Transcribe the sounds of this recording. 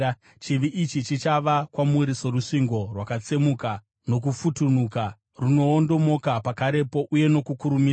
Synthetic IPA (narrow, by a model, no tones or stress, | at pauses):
t͡ʃiʋiʔit͡ʃit͡ʃit͡ʃaʋakwamuɾiso̞ruʂiŋɡo̞rwakat͡semuka | no̞k̬ufutunuka | runo̞ːndo̞mo̞kapakaɾe̞po̞ʔuje̞no̞kukuɾumira